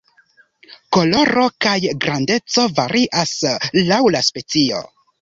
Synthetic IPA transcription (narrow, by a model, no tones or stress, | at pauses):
ko̞lo̞ɾo̞kajɡɾande̞t͡so̞vaɾʔiʔaslawlaspe̞t͡sio̞̰